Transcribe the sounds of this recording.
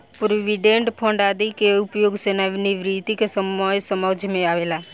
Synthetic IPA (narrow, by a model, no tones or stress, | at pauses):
pɾoʋiɖẽɳʈpʰə̃ɳɖaːd̪ikeʊpjoːɡsenaʋniʋɾit̪ikesəməjsəməd͡ʒʱmẽaːʋeːla